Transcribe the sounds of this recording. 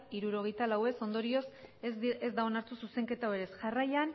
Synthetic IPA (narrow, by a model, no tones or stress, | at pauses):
iɾuɾo̞ɣ̞e̞jt̪alawe̞so̞nd̪o̞ɾio̞s | ezd̪ao̞naɾt̪ususe̞ŋke̞t̪aoe̞ɾe̞sʝarajan